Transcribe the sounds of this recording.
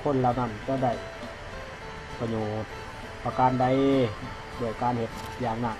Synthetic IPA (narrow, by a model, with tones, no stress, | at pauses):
pʰo˧˥˨nla˧˩na˧˨nt͡ɕa˧˩da˧˩j | pa˧ɲoː˨˩t̪̚ | pa˧kaː˧˨nda˧˦j | du˧˩əjkaː˧˨nhe˧˦t̪̚ | jaː˨˧ŋna˧˩˨